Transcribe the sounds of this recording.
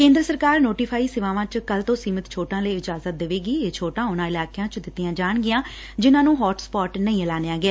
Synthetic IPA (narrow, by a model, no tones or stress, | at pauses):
kẽːnd̪ɾəsəɾkaːɾnoːʈiːpʰaːiːsɪʋãːʋãt͡ʃkəlt̪õːsiːmɪt̪t͡ʃʰoːʈãːləiːɪd͡ʒaːzət̪̚d̪eʋeːɡiːeːt͡ʃʰoːʈãːʊnãːɪlaːkːãːt͡ʃd̪ɪt̪ːɪjãːd͡ʒaːɳɡɪjãː | d͡ʒɪnãːnũːɦɔːʈspɔːʈnəĩːəlaːneãːɡɛː